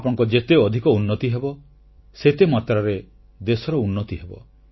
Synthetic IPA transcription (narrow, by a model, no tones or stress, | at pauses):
apɔɽɔ̃ŋkɔd͡ʒet̪eɔd̪ʱikɔunːɔt̪iɦebɔ | set̪emat̪ɾaɾe | d̪esɔɾɔunːɔt̪iɦebɔ̰